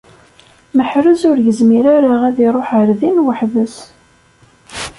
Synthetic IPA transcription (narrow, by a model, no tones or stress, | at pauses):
məħɾəzʊɾjəzmiɾaɾaʁæðiɾˤoħəɾðinwəħvəs